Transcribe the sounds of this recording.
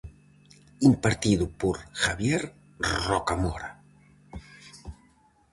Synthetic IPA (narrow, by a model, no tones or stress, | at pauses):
impaɾt̪iðupoɾxaβjeɾ | rɔkamɔɾa